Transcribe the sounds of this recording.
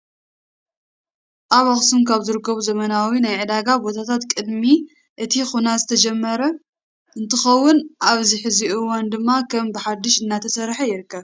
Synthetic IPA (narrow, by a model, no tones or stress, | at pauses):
ʔaβaxsumkʰaβzɨɾɨkːɐβuzɐmɐnawinajʕɨd̪aɡabo̞t̪ʰat̪ʰat̪kʼɨd̪mi | ʔɨt̪ʰixunazɨt̪ʰɐd͡ʒɛmːɐɾɐ | ʔɨnt̪ʰɨxɐwːʊnʔaβziħɨziʔɨwand̪ɨmːakʰɐmbɨħad̪ːɪʃɨnːat̪ʰɐsɐɾħɐjɪɾɨkːɐβ